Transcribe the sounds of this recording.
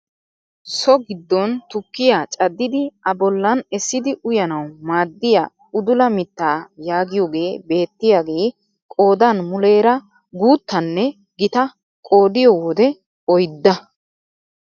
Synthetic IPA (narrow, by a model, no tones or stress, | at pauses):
sɔɡɪd̪ːɔnt̪ʊkːɪjaːt͡ʃʼɐd̪ːɪd̪ɪɐbɔlːɐnɛsːɪd̪ɪʔʊjɐnɐwmaːd̪ːɪja̰ | ʊd̪ʊlɐmɪt̪ːaːjaːɡɪjoːɡe̞ːbe̞ːt̪ːɪjaːɡe̞ː | kʼo̞ːd̪ɐnmʊle̞ːɾɐ | ɡuːt̪ːɐnːɛ | ɡɪt̪ɐ | kʼo̞ːd̪ɪjɔwɔd̪ɛ | ɔjd̪ːɐ